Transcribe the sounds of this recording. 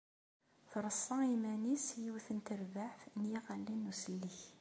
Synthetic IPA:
θɾˤəsˤːɑimænisjiwθənt̪əɾvaħθnjiʁælːinːusəlːiç

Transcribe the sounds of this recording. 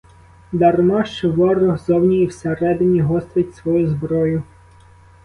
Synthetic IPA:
d̪ɐrmɑʃt͡ʃɪʋɑɾɔɦzɔwnʲijiwseɾɛd̪ɪnʲiɦɔst̪ʋʲɪtʲsʋɔjuzbɾɔjʊ

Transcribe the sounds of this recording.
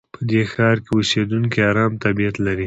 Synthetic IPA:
pʰəd̪exɑɾkeused̪uŋkiaɾɑmt̪abijat̪laɾi

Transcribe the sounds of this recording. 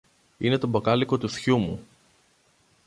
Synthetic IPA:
ine̞t̪o̞bɐkɐliko̞t̪uθçumu

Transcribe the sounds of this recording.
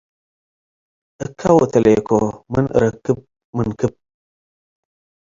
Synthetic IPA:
əkʰawotəlekomənʔə̰ɾəkəp̚ | mənkɨp̚

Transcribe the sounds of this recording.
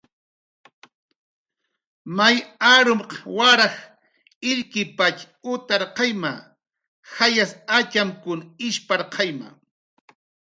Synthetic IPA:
majaɾʊmqɑwaɾɑx | ɪʎkɪpat͡ʃ | ʊt̪aɾqɑjma | xajasat͡ʃamkʊnɪʃpaɾqʰɑjma̰

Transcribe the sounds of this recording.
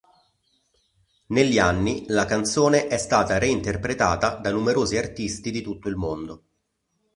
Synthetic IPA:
neʎːianːilakant̪soːneʔɛst̪aːt̪aɾeint̪erpɾet̪aːt̪ad̪anumeɾoːziart̪ist̪id̪it̪ut̪ːoilmond̪o

